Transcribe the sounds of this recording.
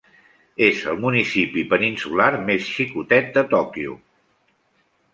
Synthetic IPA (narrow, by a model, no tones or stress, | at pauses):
ezəlˠmunisipipəninsulaɾmesʃikut̪ɛt̪̚d̪ət̪ɔkiṵ